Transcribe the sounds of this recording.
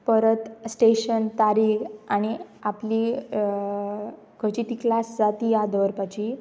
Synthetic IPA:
pəɾət̪sʈeɕənt̪aɾiːkaɽ̃iapliː | kʰət͡ɕit̪iːklasd͡zat̪iːjad̪ʱəʋəɾpat͡ɕiː

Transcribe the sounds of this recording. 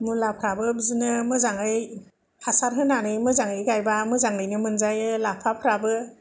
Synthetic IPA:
mulapʰɾabɯbzɯnɯmɯzaŋɯj | hasaɾɦɯnanɯjmɯzaŋɯjɡajbamɯzaŋɯjnɯmɯnzajɯlapʰapʰɾabɯ

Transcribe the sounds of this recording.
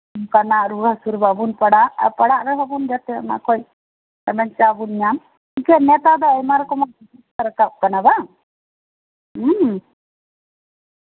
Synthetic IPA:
mkanaʔɾuɡʱasuɾbabunpəɽa̰pəɽaʔɾɛɦɔbund͡ʒat̪ɛ̰na̰kʰɔj | t̪ɛmɛnt͡ʃabunɲam | ikɛnɛt̪ad̪ɔəjmaɾkɔmanpusust̪aɾəkap̚kanaba

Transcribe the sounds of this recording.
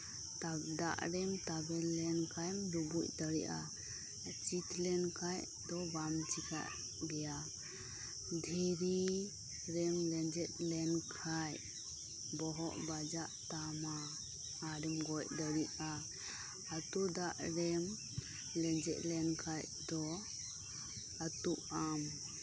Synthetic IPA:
t̪ad̪a̰ʔɾɛmt̪abɛlɛnkʰajmɾubuc̚d̪əɾiʔa | t͡ʃit̪lɛnkʰaj | d̪ɔbamt͡ʃika̰ʔ | bɛja | d̪ʱɛɾi | ɾɛmlɛnd͡ʒɛt̪̚lɛnkʰaj | bɔɦɔʔbad͡ʒaʔt̪amaː | ɾɛmɡɔj̚d̪əɾiʔa | at̪ud̪aʔɾɛm | lɛnd͡ʒɛt̪̚lɛnkʰaj | d̪ɔ | at̪uʔam

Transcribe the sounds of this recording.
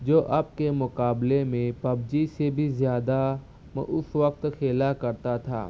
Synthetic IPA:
d͡ʒoːʔaːp̚kemʊkaːblemẽpɐbd͡ʒisebʱizjaːd̪a | m̰ʔʊsʋək̚t̪xʰeːlakɐɾt̪at̪ʰa̰ː

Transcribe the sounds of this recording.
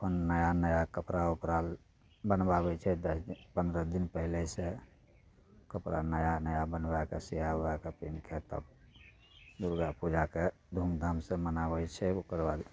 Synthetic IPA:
pʰənːəjanəjakəpɾaupɾal | bənbabɛt͡ʃʰɛd̪əspə̃nd̪ɾəd̪inpəɦilese | kəpɾa̰nəjanəjabənbakesijabakepinkʰet̪ə̰b | d̪uɾɡapud͡ʒake | d̪ʱumd̪ʱamsẽmənabɛt͡ʃʰɛukəɾbad̪

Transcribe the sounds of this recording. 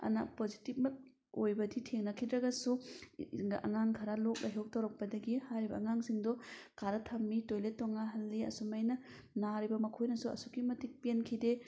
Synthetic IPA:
ɐ̰na̰pozitip̚mɐt̚ | ojbɐditʰeŋnɐkʰidɾɐɡɐsu | ŋɡaʔɐŋaŋkʰaɾalok̚lʔajɦok̚tɐwɾɐk̚pɐdɐɡihajɾibɐ̰ːŋaŋsiŋdɔkaɾɐtʰɐmːitojletːɔŋaɦɐlːiɐ̰sumajnɐ | naɾibɐmɐkʰojnɐsuɐ̰sukimɐtik̚penkʰide

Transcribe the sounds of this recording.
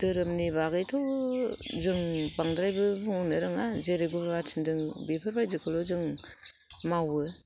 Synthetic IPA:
d̥ɯɾɯmnibaɡɯjtʰaw | zɯŋbaŋdɾajbɯbɯŋunɯɾɯŋazeɾeɡuβat͡ʃʰindɯŋbipʰɯɾbajzɯkʰɯlɔzɯŋ | mawɯ

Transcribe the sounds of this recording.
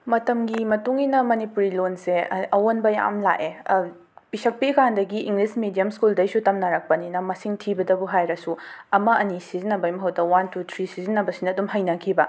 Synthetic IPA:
mɐtɐmɡimɐtuŋinɐmɐnipuɾilonseɐwonbɐja̰mla̰ʔe | pisɐk̚pikandɐɡiʔiŋɡlismidijɐmskuldɐjsutɐmnaɾɐk̚pɐninɐmɐsiŋtʰibɐdɐbuɦajɾɐsuɐmɐʔɐnisizinɐbɐjmɐɦɐwdɐwantut̪ʰɾisizinːɐbɐsinɐɐdumɦɐjnɐkʰibɐ

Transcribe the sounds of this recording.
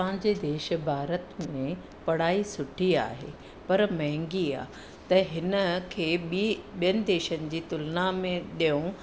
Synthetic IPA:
pɐɦɪ̃ɲd͡ʑed̪eːʃ̆bʱaːɾət̪mẽ | pɐɽ̤aːisʊʈʰia̰ːɦḛ | pɐɾmɐɦɪ̃ŋɡia̰ː | t̪ɐɦɪnə̆kʰeːɓijənɪ̆d̪eːʃənɪ̆d͡ʑiːt̪ʊlnamẽɗijõ

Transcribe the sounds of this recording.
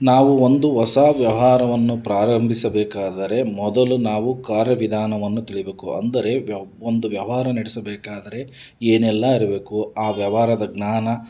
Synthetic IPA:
naːʋuond̪uʋɐsaːʋjɐʋɦaːɾɐʋɐnːupɾaːɾɐmbʱisɐbɛːkaːd̪ɐɾe̞mɔd̪ɐlunaːʋukaːɾjɐʋid̪ʱaːnɐʋɐnːut̪iɭibe̞ːkuɐ̰nd̪ɐɾe̞ond̪uʋjɐʋʋɦaːɾɐniɽisɐbɛːkaːd̪ɐɾe̞ | eːnɛlːɐiɾɐbe̞ːkuaːʋjɐʋaːɾɐd̪ɐɡnaːnɐ

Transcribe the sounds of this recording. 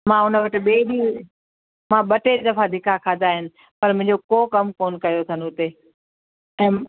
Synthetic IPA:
mãːʊnəʋɪʈɪ̆ɓeːɗiː | mãɓɐʈeɾd̪ɐfad̪ʱɪkʰakʰãːd̪aːɦɪnɪ̆ | pɐɾmʊ̃ɦɪ̃ɲd͡ʑokoːkɐmkoːnkɐjot̪ʰɐnʊʊt̪e | ɛ̃ː

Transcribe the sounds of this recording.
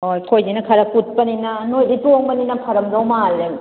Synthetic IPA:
ojkʰojdinakʰaɾakut̚paninanojdituŋbaninapʰaɾɐmzawmalːeŋ

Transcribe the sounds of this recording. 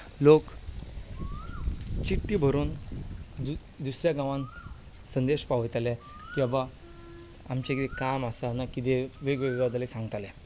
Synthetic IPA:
lok | t͡ɕiʈːibʱəɾuːnd̪u | d̪usɾjaɡãʋãn | sənd̪eɕpaʋt̪alɛ̃ | kiʋa | a̰mt͡ɕãkit̪ɛkamasanakit̪eʋeɡʋeɡʋad̪lesãŋɡət̪alɛ̃

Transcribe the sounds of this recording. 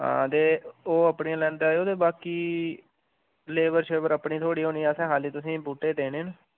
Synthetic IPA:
ɦã̰ːt̪eːoːəpɳĩːãːlɛ̃ːnd̪aːeːoːd̪eːbaːkiː | leːʋəɾʃeːbəɾəpɳiːt̪ʰoːɽiːɦõːniːasɛ̃ːɦaːliːt̪ʊsĩːbuːʈːeːd̪eːneːn

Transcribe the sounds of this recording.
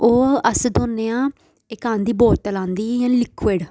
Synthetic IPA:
oːəsd̪onːeːãː | ɪkãːnd̪iːboːtt͡ʃəlãːnd̪iːjãːlɪkʰʋeːɽ

